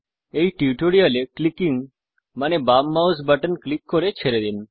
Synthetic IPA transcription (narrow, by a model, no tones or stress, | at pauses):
ejʈiʈoɽijaleklikiŋ | manebamːawsbaʈənklikːoɾet͡ɕʰeɾed̪in